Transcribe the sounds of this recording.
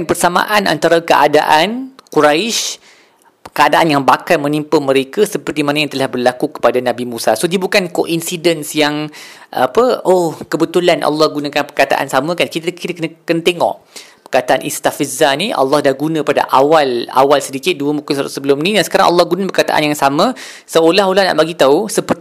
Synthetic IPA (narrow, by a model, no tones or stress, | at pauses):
npərsamã̰ʔana̰nt̪aɾakəʔada̰ʔankuɾaɪʃ | kəadaʔanjaŋbakalmə̃nimpəməɾekəsəpərt̪imanajaŋt̪əlahbərlakukə̥padanãbimũsasodibukankoʔinsidənsjaŋ | ʔa̰pəokəbət̪ulanʔɑ̰lːɑhɡunãkanpərkat̪a̰ʔa̰nsamə̃kankit̪kit̪akənkənət̪eŋɔ̰ʔ | pərkat̪aʔanʔist̪afizaniʔɑ̰lːɑhdahɡunə̃pada̰ʔa̰wala̰walsədikɪt̪̚duəmukʊssəbəlʊmnĩdansə̥kaɾaŋʔɑ̰lːɑhɡunə̃bərkat̪a̰ʔa̰njaŋsamə̃ | səolahɦolahna̰ʔbaɡit̪ausəpər